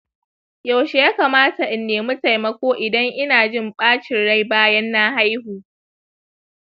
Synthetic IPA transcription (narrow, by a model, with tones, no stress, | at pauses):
ja˨wʃe˨jaː˦kaː˨maː˦ta˨ʔɪ˨nːeː˨mʊ˦ta˨jmɐ˦kʷoː˦ʔɪ˨dɐ˦ŋʔɪ˦naː˨d͡ʒɪ˦˨mɓaː˦t͡ʃɪ˨nɽa˦jbaː˦jɐ˦nːa˦ha˦jhuː˨